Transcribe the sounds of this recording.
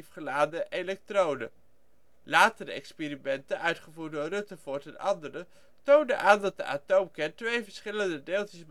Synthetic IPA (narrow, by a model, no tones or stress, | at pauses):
fχəlaːdəʔelɛk̚trownə̰ | laːtəɾəɛ̰kspeːɾimɛntənʔœɥtχəvuːt̚dʊːrɵtəvʊːɹtɛnʔɑndəɾə | towndəʔaːndɑt̚də̰ʔa̰towmkɛɹtʋejvəɹsχɪləndədeːlˠtɪsb